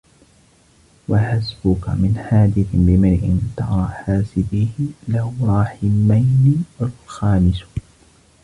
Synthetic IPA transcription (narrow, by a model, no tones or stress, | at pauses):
waħasbʊka̰mɪnħaːd̪ɪθɪbɪmɪɾʕɪ̰nt̪ɑ̰ɾˤɑħaːsɪbɪhɪlaɾˤɑːħɪmajnɪalxaːmɪs